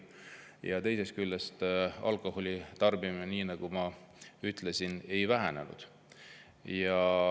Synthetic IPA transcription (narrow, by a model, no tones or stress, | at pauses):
jɑt̪e̞jse̞st̪̚kylːest̪ɑ̰lko̞holʲit̪ɑrbimeniːnɑɡ̥umɑyt̪ˑle̞sine̞jvæɦæne̞̰nṵd̪̥ | jɑ